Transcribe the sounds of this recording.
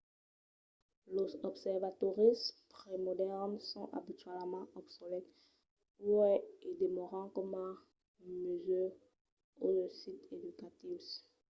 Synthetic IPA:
lozɔbsɛʁvat̪ɔʁispχemɔd̪ɛʁnsɔ̃ʔa̰bit̪ɥɛlmɑ̃ʔɔpsɔlɛt̪ | uɛed̪emɔʁɑ̃kɔmɑ̃ | møzyʁ | osit̪ed̪ykat̪is

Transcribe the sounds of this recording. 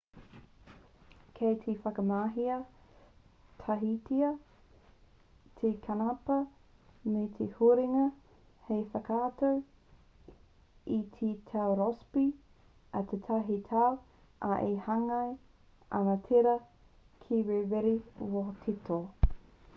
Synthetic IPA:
kʰejt̪ʰefɐkɐmaːɦiɐ | t̪ʰɐɦitiɐ | t̪ʰekʰɐnɐpɐ | met̪ʰehuɾiŋɐ | hejfɐkʰaːtow | it̪ʰit̪ʰawɾɔspi | ɐt̪ʰet̪ʰɐɦitʰaw | ʔaʔehɐŋɐj | ɐ̰nɐtʰeɾɐ | kʰiwevɛɾiwotʰitʰo

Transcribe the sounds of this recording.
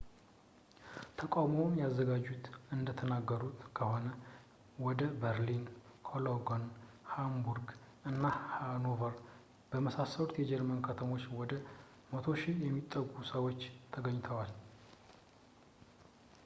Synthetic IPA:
t̪ʰəkʼawmomjazːəɡad͡ʒːut̪ɨnd̪ət̪ʰənaɡːəɾut̪kʰəho̞nə | wɔd̪əbəɾlinkʰoloɡon | hambuɾɡ | ɨnːahanovəɾ | b̥əməsasːəɾut̪jɛd͡ʒɛɾmənkʰət̪ʰəmot͡ʃːwɔd̪ə | mət̪ʰo̞ʃɪjɛmːit̪ʼːəɡusəwot͡ʃːt̪ʰəɡəɲːt̪ʰəwal

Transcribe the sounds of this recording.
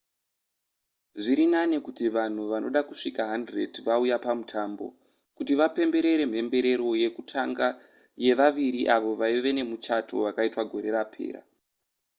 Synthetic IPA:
ʐiɾinanekutiʋan̤uʋano̞̰ɗakuʂikaɦandre̞̰dʋaujapamutʰaːmbo̞̰ | kutiʋape̞mbe̞ɾe̞ɾe̞m̤e̞mbe̞ɾe̞ɾo̞je̞kutʰaŋɡa | je̞ʋaʋiɾiʔaʋo̞ʋaiʋe̞ne̞mut͡ʃatʰo̞̰ʋakaitwaɡʱo̞ɾe̞ɾapʰe̞̰ːɾa̰

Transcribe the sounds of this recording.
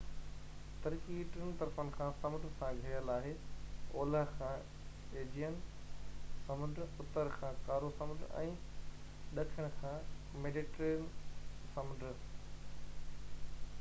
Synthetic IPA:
t̪ɐɾkiʈɪnt̪ɐɾfənɪ̆kʰãːsɐ̃md̪sãɡʱɐjəlaːɦeoːləɦkʰãː | eːd͡ʑijən | sɐmənd̪ʱɾsʊt̪əɾkʰãːkaːɾosɐ̃məd̪ɛ̰̃ː | ɗɐʈʰəɽ̃kʰãː | meːɖiʈɾeːnsɐməd̪ʱə

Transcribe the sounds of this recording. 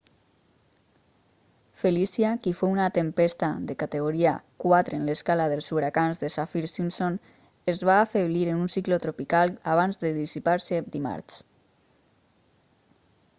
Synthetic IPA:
felisjakifounat̪empest̪aðekat̪eɣ̞oɾiakwat̪ɾeːnleskalaðəlˠsuβɾakanzðesafiɾsimson | ezβaːfeβliɾənunsiklot̪ɾopikalˠaβ̞anzðəðisipaɾsed̪ima̰ɾt͡ʃ

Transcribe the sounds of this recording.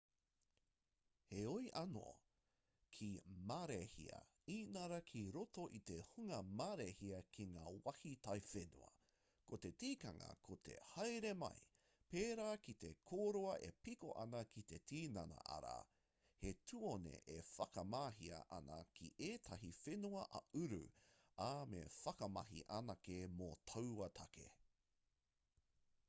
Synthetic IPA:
heojʔɐno̰ | kʰimaɾehḭɐ̰ | iːnɐɾɐkʰiɾotoʔit̪ehuŋɐmaːɾehiɐkʰiŋaːwɐhitɐjfenṵɐ̰ | kot̪e̞tiːkɐŋɐ̰kʰot̪ʰḛhɐjɾemɐ̰j | peːɾaːkit̪ekʰoɾoɐʔḛpikoʔɐnɐkʰit̪e̞tʰiːnɐnɐ̰ʔɐ̰ɾa̰ | hetʰuonḛʔefɐkɐmaːɦiɐ̰ʔɐnɐ̰kʰiʔeːtʰɐɦifenuɐʔɐʉɾṵ | amḛfɐkɐmɐɦḭʔɐnɐkemotʰɐwɐt̪ʰɐkḛ

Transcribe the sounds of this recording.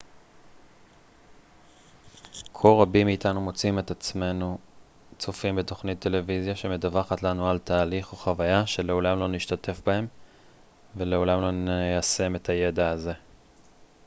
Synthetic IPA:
kʰolʁabimːiːtanumo̞t͡sime̞t̪at͡sme̞nu | t͡sofimbeto̞χnit̪ːe̞le̞vizjaʃe̞medavaχatlanualtaːliχoχavajaʃe̞le̞o̞lamlo̞niʃtatʰe̞fbahe̞m | veleo̞lamlo̞nejase̞me̞tʰaje̞daːze̞

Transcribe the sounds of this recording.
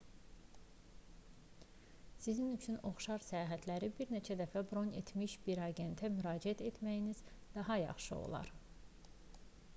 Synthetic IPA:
sizinyt͡ʃʰyno̞χʃɑɾsæjɑːɦæt̪ʰlæɾibiɾne̞t͡ʃʰæd̪æfæbɾo̞ne̞t̪ʰmiʃb̥iɾɑɡe̞nt̪ʰæmyɾɑːd͡ʒiæt̪ʰe̞t̪ʰmæjiniz̥d̪̥ɑɦɑjɑ̰χʃɯo̰lˠɑ̰ɾ

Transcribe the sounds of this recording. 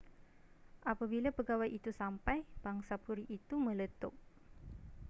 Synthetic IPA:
ʔapabilapəɡawajʔit̪usampajb̥aŋsapuɾiʔːt̪umə̃lət̪ʊk̚

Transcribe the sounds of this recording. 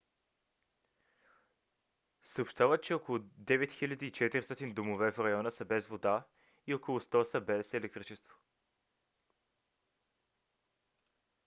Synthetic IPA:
səopʃt̪avət͡ʃɛɔkolˠʊd̪ɛvɛt̪xiʎʲad̪iːt͡ʃɛt̪iɾist̪ɔt̪ind̪omovɛfɾɐjɔnəsəbɛzvod̪a | iɔkolˠʊst̪ɔsəbɛsɛlɛkt̪ɾit͡ʃɛst̪vo̥

